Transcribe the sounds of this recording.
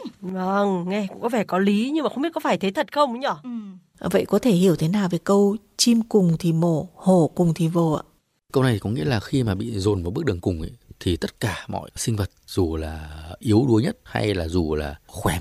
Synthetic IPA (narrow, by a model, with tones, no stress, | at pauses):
və˧ŋŋɛ˧kʊ̰˧˥ŋ͡mkɔ˨˦vɛ˧˩kɔ˨˦li˨˦ɲɨ˧ŋmaː˨˩xŋ͡mi˦˥kɔ˨˦faː˧˩jt̪ʰe˨˦t̪ʰə˨˩t̚xə˧wŋ͡mɲɔ˧˩ | və̰˧˨jkɔ˨˦t̪ʰe˧˩hi˧˩əwt̪ʰe˨˦naː˨˩wvəː˨˦jkə˧w | t͡ɕi˧mkʊ˨˩ŋ͡mt̪ʰi˨˩mo˧˩ho˧˩kʊ˨˩ŋ͡mt̪ʰi˨˩vo˨˩ʔa̰ː˧˨ | kə˧wna˨˩j̪t̪ʰi˨kɔ˨˦ŋḭ˧˥əlaː˨˩xi˧maː˨˩ɓḭ˧˨zo˨˩nm̚˨˩ɓk̚ɗɨ˨˩əŋkʊ˨˩ŋ͡mʔə̰˧˨t̪ʰi˨˩t̪ə˦˥t̚kaː˧˩mɔ̰˧˨jsï˧ŋ̟və˨˩t̚z̥u˨˩laː˨˩ʔi˨˦əwɗu˨˦əɲə˦˥t̚ha̰˧jlaː˨˩zu˨˩laː˨˩xwɛ˨˦m